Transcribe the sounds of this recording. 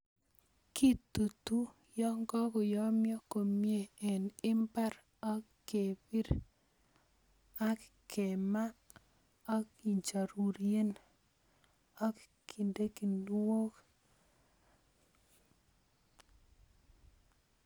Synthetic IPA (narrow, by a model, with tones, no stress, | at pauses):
ki˦t̪u˨tu˦ | jɔ˦ŋɡɔ˦kɔ˨jɔ˦mjɔ˦ko˨mje˦ɛ˨nɪ˦mpa˦ɾ | ɔ˦k | ke˨bi˦ɾ | a˦kke˨ma˦ | ɔ˦ki˨ɲt͡ʃa˨ɾu˨ɾje˦n | ɔ˦k | kʰi˨nde˦ki˨ndwo˦k